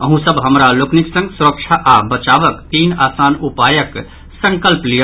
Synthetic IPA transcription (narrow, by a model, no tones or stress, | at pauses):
əɦũsəbɦəmɾalokniksə̃ŋɡsuɾək̚t͡ʃʰaʔabət͡ʃabəkt̪iːnaːsaːnupajək | sə̃ŋkəlpli